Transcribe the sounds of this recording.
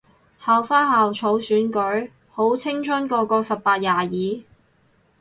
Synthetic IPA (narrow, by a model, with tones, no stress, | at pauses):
haː˨wfaː˥haː˨wt͡ʃʰo˨˥wsyː˨˥nkɵ˨˥ɥ | ho˨˥wt͡sʰɪ˥ŋt͡sʰɐ˥nkɔː˧kɔː˧sɐ˨pːaː˧t̚jaː˨jiː˨˥